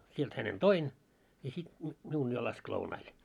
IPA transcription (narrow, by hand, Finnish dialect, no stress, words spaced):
sielt hænen toin jɑ sit nyt miun jo lɑsk lounɑil